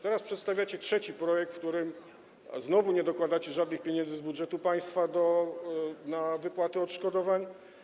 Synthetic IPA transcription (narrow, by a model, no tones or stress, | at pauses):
t̪ɛɾaspʂɛt̪st̪avʲjat͡ɕɛtʂɛt͡ɕipɾɔjɛk̚t̪fkt̪uɾɘm | znɔvuɲɛd̪ɔkwad̪at͡ɕɛʐad̪nɘxpʲjɛɲɛndzɘzbudʐɛt̪upaj̃st̪fad̪ɔ | navɘpwat̪ɘɔt̪ʂkɔd̪ɔvaɲ